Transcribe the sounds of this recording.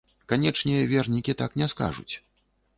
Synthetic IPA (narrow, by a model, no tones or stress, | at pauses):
kanʲɛt͡ʂnʲɛvʲɛrnʲikʲit̪aknʲɛska̰ʐṵt͡sʲ